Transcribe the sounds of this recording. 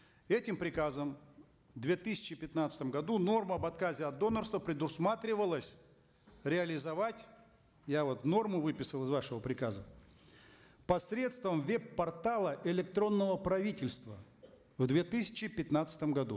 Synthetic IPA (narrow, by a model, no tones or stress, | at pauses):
ɛtʲɪmpɾʲɪkazəm | vd̪vʲe̞t̪ɨsʲɪ̥t͡ɕɪpʲɪt̪nat̪sɨ̥t̪əmɡɐd̪uno̞rməɐbɐt̪kazʲɪɐd̪ːo̞nərst̪vəpɾʲɪd̪ʊsmat̪ɾʲɪvəlˠəsʲ | ɾʲɪɐlʲɪzɐvatʲ | javo̞t̪no̞rmʊvɨpʲɪsəlˠɪzvaʂɨvəpɾʲɪkazə | pɐsɾʲe̞t̪st̪vəmvʲepːɐrt̪alˠəʔɪlʲɪkt̪ɾo̞nːəvəpɾɐvʲitʲɪlʲst̪və | vd̪vʲet̪ɨsʲɪ̥t͡ɕɪpʲɪt̪nat̪sɨ̥t̪əmɡɐd̪ṵ